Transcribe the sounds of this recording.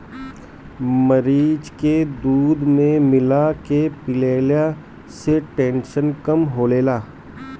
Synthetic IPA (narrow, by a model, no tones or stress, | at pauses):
məɾiːd͡ʒked̪uːd̪mẽmɪlakepɪleːlja | seʈẽːnʃənkɐmɦoːleːlaː